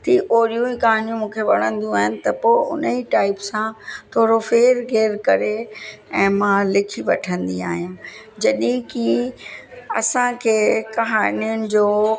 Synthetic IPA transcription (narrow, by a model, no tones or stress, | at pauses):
t̪ʰiːʔoːɾijũĩkɐɦaːnjũmũːkʰeʋɐɽ̃ə̃nd̪jũaːɦɪnɪ̆t̪ɐpoːʊ̰niʈaːɪpsãt̪ʰoːɾofeːɾɡeːɾkɐɾeɛ̃ːmãlɪkʰiʋɐʈʰə̃nd̪ia̰ːɦijã | d͡ʑɐɗĩki | ɐ̰sãkʰeːkɐɦaːniʊnɪ̆d͡ʑoː